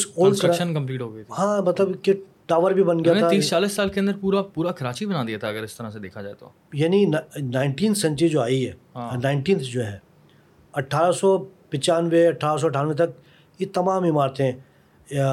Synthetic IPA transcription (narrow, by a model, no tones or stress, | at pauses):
ɪsoːlkɐɾʃənkɐ̃mpliːʈɦoːɡəit̪ʰhãːmɐt̪ləbke | ʈaːʋəɾbʱibɐnɡɐjaeaĩːt͡ʃaːlisːaːlkeɐ̃nd̪əɾpuːɾapuːɾakɐɾaːt͡ʃibɐnad̪iat̪ʰaɐɡəɾɪst̪ɐɾased̪eːkʰad͡ʒaːet̪ʰo̰ | jaːninnaːɪ̃ɳʈĩːnt̪ʰsɐ̃ɲt͡ʃid͡ʒoːaːiɦɛ̰ːɦnaːɪ̃ɳʈiːnt̪ʰd͡ʒoːɦɛː | ɐʈʰːaːɾasɔpɪ̃t͡ʃaːnʋeɐʈʰːaːɾas̬ɔɐʈʰːaːnʋet̪̬ɐk | jet̪ɐmaːmɪmaːɾt̪ʰeɦɛ̃